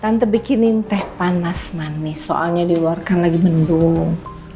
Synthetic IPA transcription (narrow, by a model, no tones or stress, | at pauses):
t̪ant̪əbikinint̪ɛhpanasmanːɪhso̰ʔa̰lɲadiluarkanlaɡimənduŋ